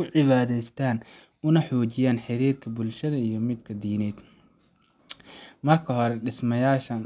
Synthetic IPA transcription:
ʊʕɪβaːðɛjst̪ʰaːn | ʊnɐħɔːt͡ʃɪjaːnħɪɾiːrkʰɐbʊlʃɐðɐijɞmɪd̪kʰɐd̪iːnɛːd̪ | mɐrkʰɐɦɔɾɛɖɪsmɐjaːʃɐn

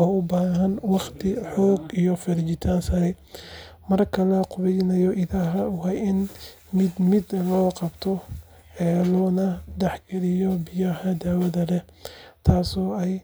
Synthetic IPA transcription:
ɔːʊbaːɦɐnwɑχt̪ʰɪħɔːɡijɔfɪɾt͡ʃɪt̪ʰaːnsɐɾɛ | mɐrkʰɐlɐqʊβɛjnɐjɔʔɪðaːɦɐʊɦɛjɪn | mɪd̪mɪd̪lɔːqɑbt̪ʰɔ | ɛːlɔːnɐd̪ɛħɡɛɾɪjɔbɪjɐhɐd̪aːwɐðɐlɛ | t̪ʰaːsɔːɛj

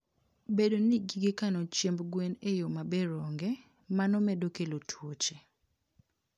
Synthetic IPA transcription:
bedoniɡiɡikanɔt͡ʃjembɡwenejomabeɾɔŋɡɛ | manɔmɛdokelotʰwot͡ʃe

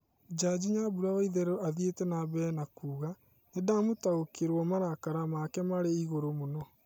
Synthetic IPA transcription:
d͡ʒad͡ʑiɲabuɾaaiðɛɾɔaðietɛnabɛnakuːɣa | nedamotaokeɾwɔmaɾakaɾamakɛmaɾeiɣoɾomonɔ

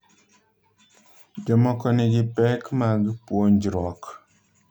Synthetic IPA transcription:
d͡ʒɔmɔkɔneɡipɛkmaɡipuond͡ʒiɾɔk

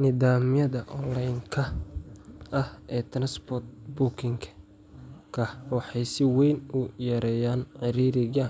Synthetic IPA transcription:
nɪðaːmjɐðɐʔɔlajŋkʰɐ | ɐhɛːt̪ʰɐnɐsbɔt̪̚bʊkʰɪŋkʰɐ̥ | kʰɐhwɑħɑjsɪwɛjnʊjɐɾɛːjaːnʕɪɾiːɾɪɣaːn

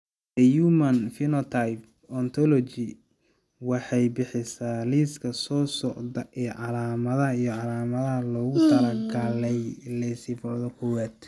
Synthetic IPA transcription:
d̪ɛjumɐnfɪnɔt̪ʰajp | ɔnt̪ʰɔlɔt͡ʃɪ | wɑħɑjbɪħɪsaːliːskʰɐsɔːsɔʔdɐʔɛːʕɑlaːmɐðɐɦɐijɔʕɑlaːmɐðɐɦɐlɔːɣʊt̪ʰɐlɐɡalɛjlɛjsɪfɔʕðɔkʰɔwaːd̪

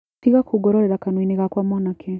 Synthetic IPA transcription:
tiɣakuɡɔɾɔɾeɾakanwineɣakwamwanakʰe

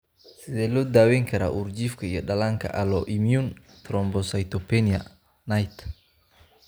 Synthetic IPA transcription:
sɪd̪ɛlɔd̪aːwɛŋkʰɐɾa̰ʔuɾd͡ʒifkʰɐḭjɔɗɐlaŋkʰɐ̰ʔalɔʔimjun | t̪ɾɔmbɔsajt̪ɔpɛnia̰ | najt̪

